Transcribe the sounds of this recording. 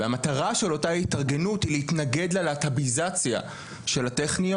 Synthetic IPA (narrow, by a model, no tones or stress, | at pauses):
eamat̪aʁaʃe̞lo̞taitaʁɡe̞nuthilehit̪naɡe̞dlalat̪abizat͡sja̰ | ʃe̞lateχnio